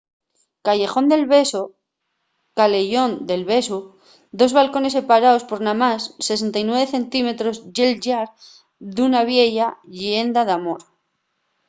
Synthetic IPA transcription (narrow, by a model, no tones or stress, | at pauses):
kaʝe̞xo̞nd̪e̞lβe̞so | kale̞ʝo̞nd̪e̞lβe̞su | d̪o̞zβalko̞ne̞se̞paɾao̞spo̞ɾnãmasːe̞s̬e̞nt̪ajnwe̞β̞e̞θe̞nt̪ime̞t̪ɾo̞zʝe̞lʝaɾ | ðunaβje̞ʝaʎe̞nd̪aðamo̞ɾ